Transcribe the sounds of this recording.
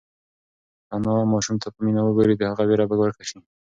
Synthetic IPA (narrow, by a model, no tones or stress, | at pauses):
anɑmɑʃumt̪ʰapəminawəɡoɾid̪əhaɣaweɾabaɡwaɾkaʃi